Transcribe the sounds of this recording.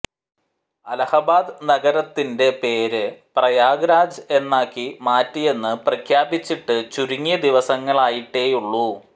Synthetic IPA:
ɐlɐhɐbaːd̪ɨnɐɡɐɾɐt̪ːinde̞pe̞ːɾɨprɐjaːɡɾaːd͡ʑɨe̞nːaːkːimaːtːije̞nːɨprɐkʰjaːbit͡ɕːiʈːɨt͡ɕuɾuŋːijɐd̪iʋɐsɐŋːɐɭaːjiʈːe̞ːjuɭːu

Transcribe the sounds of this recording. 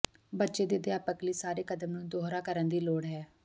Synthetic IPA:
bətːʃeːd̪eːd̪ɪaːpəkliːsaːɾeːkəd̪əmnũːd̪oːɦɾaːkəɾənd̪iːloːɽɦɛː

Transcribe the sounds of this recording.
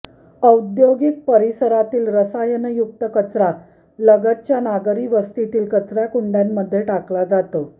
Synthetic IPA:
əwd̪joɡik̚pəɾisəɾat̪iːlɾəsajənəjuk̚t̪əkət͡sɾa | ləɡət̪̚t͡ɕjanaɡɾiːʋəst̪it̪iːlkət͡sɾjakuɳɖjamːəd̪ʱːjeʈaklad͡zat̪o

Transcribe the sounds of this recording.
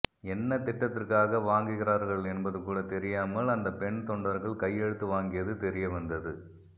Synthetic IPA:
ɛnːɐt̪ɪʈːɐt̪ːɪrkaːɣɐʋaːŋɡɯɣɪɾaːɾɣɐɭɛnbɐðɯkːuːɽɐt̪ɛɾɪjaːmɐɭɐnd̪ɐpɛɳt̪ɔɳɖɐɾɣɐɭkɐjːɛɽɯt̪ːɯʋaːŋɡɪjɐðɯt̪ɛɾɪjɐʋɐnd̪ɐðɯ

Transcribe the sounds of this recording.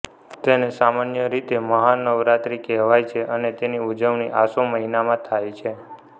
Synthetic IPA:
t̪enesamanjəɾit̪eməɦanəʋɾat̪ɾikɛɦʋajt͡ʃʰeʔənet̪eniud͡ʒəʋniʔasoməɦinamãt̪ʰajt͡ʃʰe

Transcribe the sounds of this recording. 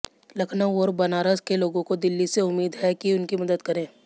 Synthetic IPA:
lɐkʰnaoːɾbɐnaːɾəzkeloːɡõkod̪ɪlːiseʊmːiːd̪ɦɛkiʊnkimɐd̪əd̪kɐɾẽː

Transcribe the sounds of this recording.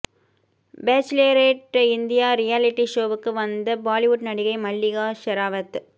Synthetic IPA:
beːt͡ʃɪleːɾeːʈːɪnd̪ɪjaːɾɪjaːlɪʈːiʃoːʋɯkːɯʋɐnd̪ɐbaːlɪʋʊʈnɐɽɪɣɐɪmɐɭːɪɣaːʃɐɾaːʋɐt̪

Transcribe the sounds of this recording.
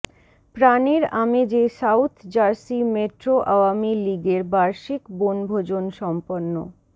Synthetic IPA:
pɾaneɾamed͡ʑesawt̪ʰd͡ʑaɾsimeʈɾoʔawamiliɡeɾbaɾʃikbonbʱod͡ʑonʃɔmponːo̰

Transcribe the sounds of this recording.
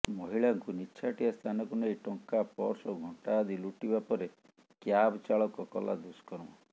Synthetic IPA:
mɔɦiɭaŋkuniːt͡ʃʰaʈiast̪ʰanɔkunejʈɔŋkapɔ̰ɾsɔɡʱɔʈad̪iluʈibapɔɾe | kjabt͡ʃaɭɔkɔkɔ̰lʔa̰d̪uskɔɾɔ̃wɔ

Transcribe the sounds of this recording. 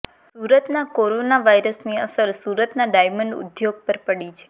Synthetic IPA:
suɾət̪nakoɾonaʋaiɾəsniə̰səɾsuɾət̪naɖajməɳɖṵd̪joɡ̚pəɾpəɽit͡ʃʰe̥

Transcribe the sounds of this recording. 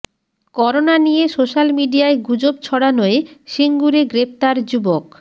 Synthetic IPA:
kɔɾonanijesoʃalmiɖijaeɡud͡ʑob̚t͡ɕʰɔɽanoeʃiŋɡuɾeɡɾep̚t̪aɾd͡ʑubok

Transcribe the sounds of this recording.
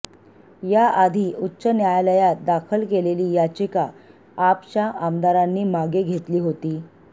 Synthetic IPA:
jaʔad̪ʱiːʔutːɕənjajləjat̪̚d̪akʰəlkeleliːjat͡ɕikaː | pt͡ɕaʔamd̪aɾanːiːmaɡeɡʱet̪liːɦot̪iː

